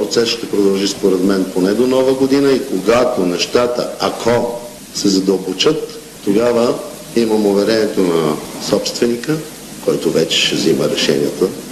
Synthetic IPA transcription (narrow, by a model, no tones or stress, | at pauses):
pɾot̪sɛsʃt̪ɛpɾod̪ɐlˠʒispoɾɛd̪mɛnponɛd̪onɔvəɡod̪inəikoɡat̪onɛʃt̪at̪ə̰akʰɔ | sɛzɐd̪əlˠbot͡ʃət̪ː | oɡavə | iməmovɛɾɛniɛt̪onɐsɔpst̪vɛnikə | kɔjt̪ovɛt͡ʃɛ̥ʃɛvziməɾɛʃɛ̰nḭət̪ə